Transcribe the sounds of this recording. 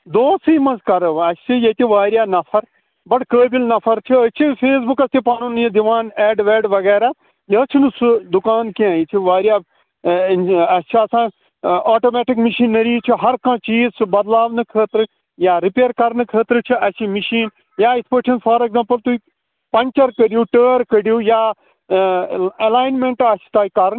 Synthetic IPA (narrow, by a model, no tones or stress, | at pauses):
d̪oːsiːmɐ̃nzkɐɾəʋɐst͡ʃʰijɐt̪iʋaːɾijaːnɐfʰɐɾ | bɐʈkəːbilnɐfʰɐɾt͡ʃʰiət͡ʃʰifʰeːs̬bukɐst̪ʰipaːnund̪iʋaːnɛːɖʋɛːɖʋɐɣɛːɾaː | jɐːt͡ʃʰinɨsud̪ʊkaːnkãːit͡ʃʰiʋaːɾjaː | ɐst͡ʃʰiɐsãː | ɔːʈoːmɛːʈɪkmɪʃiːnəɾiːt͡ʃʰiɦɐɾkãːt͡ʃiːzt͡ʃʰbɐd̪laːʋnɨkʰəːt̪ɾɨ | jaːɾɪpeːɾkɐɾnɨkʰəːt̪ɾɨt͡ʃʰiɐt͡ʃʰimɪʃiːn | jaːɪt̪ʰpəʈʰinsfʰɐːɾeɡzãːmpəlt̪uiː | pɐɲʲt͡ʃɐɾkəɾijuːʈəːɾkəɽijuːjaː | ɐlaːjnmẽɳʈɐt͡ʃʰi̥t̪aːikɐɾn